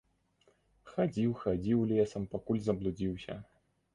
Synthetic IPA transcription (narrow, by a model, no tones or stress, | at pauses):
xad͡zʲiwxad͡zʲiwlʲɛsɐmpakulʲzɐblˠud͡zʲiwsʲɐ̰